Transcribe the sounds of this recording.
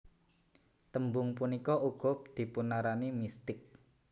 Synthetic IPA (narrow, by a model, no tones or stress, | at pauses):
t̪əmbʊŋpunikɔʔuɡ̥ʊp̚d̪̥i̤punaɾanimist̪ɪk̚